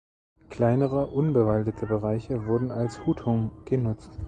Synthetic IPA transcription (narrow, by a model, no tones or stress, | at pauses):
kl̥aɪnəʁəʔʊnbəvaldətʰəbəʁaɪçəvʊɐdn̩alshuːtʰhʊŋɡ̥ənʊt͡st